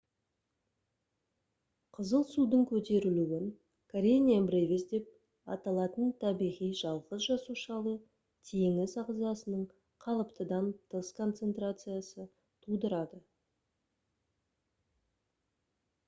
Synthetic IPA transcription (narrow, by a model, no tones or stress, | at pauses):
qʰəzəlˠsud̪əɴkʲʰɵt̪e̞ɾɪluɪn | kʰaɾʲenʲiambrevʲɪsd̪e̞p̚ | ɑ̰t̪ɑlˠɑt̪ənt̪ʰɑbijʁijʒɑlˠʁəzʒɑsuʃɑlˠə | t̪ʰeŋɪsɑʁzɑsənəɴ | qʰɑlˠəpt̪əd̪ɑnt̪ʰəskʰo̞nt̪se̞nt̪ɾat̪sɨjasə | t̪ʰud̪əɾɑd̪ə